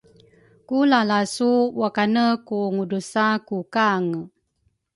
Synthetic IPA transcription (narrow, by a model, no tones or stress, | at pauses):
kulalasuwakanəkuŋudusakukaŋ